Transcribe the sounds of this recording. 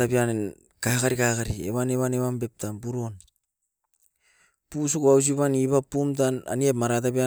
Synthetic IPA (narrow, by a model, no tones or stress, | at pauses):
tapian | kakaɾikakaɾiḛβaneβaneβambe̞p̚tampuɾo̞n | pus̬ukuaws̬iβaniβapːumtana̰niepmaɾat̬apia